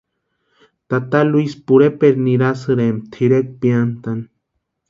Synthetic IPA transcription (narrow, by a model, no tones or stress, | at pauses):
t̪at̪aluispuɾepeɾniɾasɨɾemt̪ʰiɾek̚piant̪an